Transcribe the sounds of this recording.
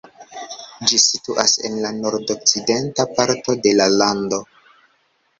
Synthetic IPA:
d͡ʒisituʔase̞̰nlano̞ɾdok̚t͡side̞ntapaɾto̞de̞lalando̞

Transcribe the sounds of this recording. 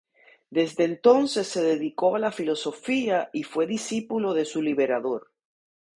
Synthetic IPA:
d̪e̞zd̪ent̪o̞nse̞sːe̞ðeðiko̞alafilo̞so̞fiaifwe̞ðisipulo̞ðe̞suliβe̞ɾaðo̞ɾ

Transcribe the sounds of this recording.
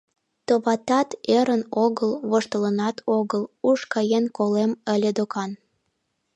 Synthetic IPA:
t̪oβɑt̪ɑt̪eɾənoɣəlβoʃt̪ələnɑt̪ʰoɣəluʃkɑjenkoleməlʲed̪okɑn

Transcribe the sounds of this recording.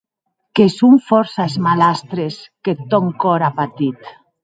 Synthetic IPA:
kesuɱfɔɾsaezmalast̪ɾesket̪ɔŋkɔɾapat̪it̪

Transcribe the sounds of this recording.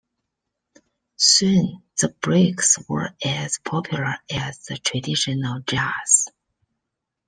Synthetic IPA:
sũnðəbɹekswə̰˞æz̥pʰɔpʰjulˠə˞æzðətʰɹ̥adɪʃɔnəlˠd͡ʒaz̥

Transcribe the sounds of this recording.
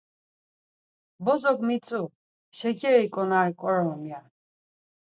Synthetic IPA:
bɔzɔɡmit͡sʼu | ʃɛkʰɛɾikʼɔnaɾkʼɔɾɔmja

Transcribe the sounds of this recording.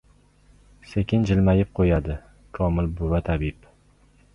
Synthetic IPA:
sekʲɪnd͡ʒɪlmajɪp̚qʰojad̪ɪ | kʰɒmɪlbʊvat̪ʰabɪp

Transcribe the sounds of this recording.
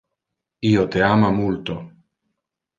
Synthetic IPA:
iot̪eamamult̪o

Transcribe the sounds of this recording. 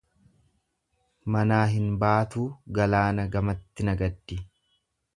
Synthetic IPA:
mɐnaːɦɪnbaːt̪uːɡɐlaːnɐɡɐmɐt̪ːɪnɐɡɐd̪ːɪ

